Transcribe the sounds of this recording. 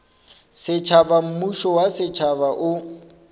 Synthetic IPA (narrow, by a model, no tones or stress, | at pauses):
sɪt͡ʃʰabam̩muʃɔwasɪt͡ʃʰabaʔʊ